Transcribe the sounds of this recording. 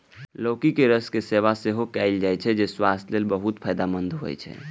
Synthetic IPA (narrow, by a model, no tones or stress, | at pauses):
loːkikeɾəskeseʋaseɦokɛɪld͡ʒajt͡ʃʰɛd͡ʒeswast̪ʰlelbəɦut̪pʰəjd̪amənd̪ʱɦo̰jt͡ʃʰɛ̰